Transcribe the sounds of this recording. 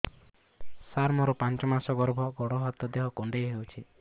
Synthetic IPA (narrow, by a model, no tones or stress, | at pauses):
saɾmɔɾupant͡ʃɔmasɔɡɔɾbʱɔɡɔɽɔɦɔt̪ːɔd̪eɦɔkoɳɖeɦewt͡ʃʰi